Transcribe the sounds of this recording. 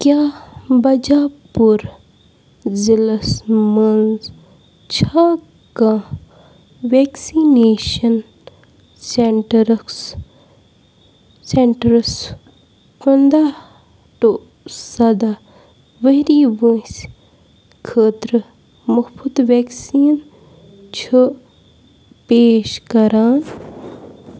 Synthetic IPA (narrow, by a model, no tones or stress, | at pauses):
kjabɐd͡ʒaːpuɾ | zilɐsmənz | t͡ʃʰa | kã | ʋeːksineːʃɐn | seɳʈɐɾɐks | seɳʈɐɾs | pɐnd̪a | ʈo | sɐd̪a | ʋeɾiʋə̃s | kʰəːt̪ɾɨ | muhpʰud̪ʋeksiːn | t͡ʃʰə | peːʃkɐɾaːn